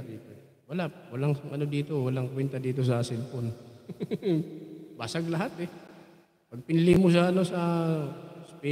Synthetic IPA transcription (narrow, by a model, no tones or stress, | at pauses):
d̪iːt̪o | wɐlawɐlaŋʔɐno̞d̪iːt̪o̞wɐlaŋkwɛnt̪ɐd̪iːt̪o̞s̬ɐsɛlpon | baːsaɡlɐɦat̪ɛ | pɐɡ̚pɪnlɪmos̬aɐno̞sɐ | spɛ